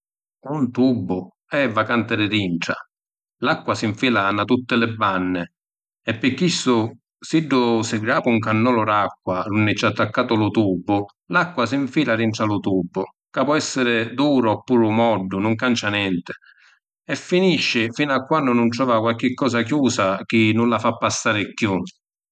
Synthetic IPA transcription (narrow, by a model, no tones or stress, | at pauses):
unt̪ubːʊ | ɛvːakant̪ɪɾɪɾiɳʈɽa̰ | lakːwasɪɱfiːlanat̪ut̪ːɪlɪbːanːɪ | ɛpːɪkːisʊ | siɖːʊsɪɡɾaːpuŋkanːɔːlʊɾakːwaɾunːɪt͡ʃːat̪ːakːaːt̪ʊlʊt̪ubːʊ | lakːwasɪɱfiːlaɾiɳʈɾalʊt̪uːbːʊ | kapɔɛsːɪɾɪd̪uːɾʊɔpːuːɾʊmɔɖːʊnʊŋkant͡ʃanjɛnt̪ɪ̥ | ɛfːiniʃːɪfiːnakːwanːʊnʊnt̪ɾɔːvakwalk̟ɪkːɔːs̬ak̬juːsak̟ɪnːulafapːasːaːɾɪkːju